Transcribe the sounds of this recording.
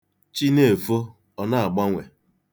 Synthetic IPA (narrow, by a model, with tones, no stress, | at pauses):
t͡ʃi˦ne˦˨fo˦ | ɔ˨na˦a˨ɡ͡ba˦ŋʷe˨